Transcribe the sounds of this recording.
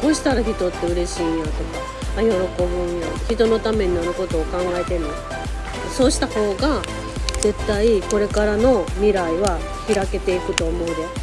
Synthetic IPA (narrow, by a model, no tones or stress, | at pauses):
ko̞ːɕi̥t̪aɾaçit̪o̞t̪ːe̞ɯ̟ɾe̞ɕiːjat̪o̞kaː | jo̞ɾo̞ko̞bɯ̟̃jaçit̪o̞no̞t̪ame̞ɲ̟inaɾɯ̟ko̞t̪o̞ːkãŋɡaet̪e̞mo | so̞ːɕi̥t̪aho̞ːɡa | ze̞t̪ːaiko̞ɾe̞kaɾano̞mʲiɾaiβa | çiɾake̞t̪e̞ikɯ̟t̪o̞ːmo̞ɯɾe